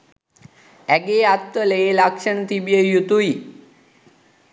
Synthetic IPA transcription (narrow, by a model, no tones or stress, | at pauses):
æɡeːat̪ʋəleːlakʂənət̪ibijəjut̪ui